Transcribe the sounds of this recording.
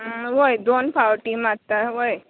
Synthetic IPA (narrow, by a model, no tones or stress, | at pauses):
ʋojd̪onpʰawʈimat̪aʋoj